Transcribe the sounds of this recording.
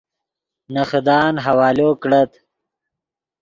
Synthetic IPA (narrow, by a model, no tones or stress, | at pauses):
nɐxd̪ɑːnɦɐwɑːloːkɽɐt̪